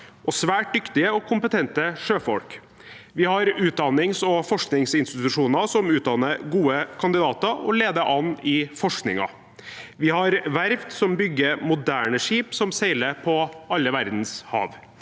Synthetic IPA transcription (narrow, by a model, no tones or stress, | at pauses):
ʔɔsʋæːʈ̚d̪ʏkt̪ɪəɔkʰʊmpət̪ʰɛnt̪əʂøːfɔlk | ʋɪhɑɾʉːt̪̚d̪ɑnːɪŋsɔfɔʂknɪŋsɪnst̪ɪt̪ʉʂuːnɑsɔmʉːt̪̚d̪ɑnəɾɡuːəkʰɑnd̪ɪd̪ɑːt̪əɔ̰leːd̪əʔɑnːɪfɔʂknɪ̰ŋɑ̰ | ʋɪhɑɾʋæɾʋd̪sɔmbʏɡːəɾmʊd̪æːɳəʂiːpsɔmsæɪləpʰɔɑlːəʋæɾd̪n̩shɑ̰ːʋ